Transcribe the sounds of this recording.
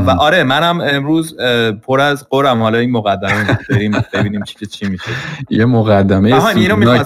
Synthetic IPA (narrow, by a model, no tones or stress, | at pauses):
væʔɒɾe̞mænæme̞mɾuːzpʰoɾæzɢoɾæmhɒːlɒiːnmoɣæd̪ːæmemubeɾimb̥e̞biːniːmt͡ʃʰi̥cʰet͡ʃʰimiːʃejemoɣæd̪ːæmejemæninomi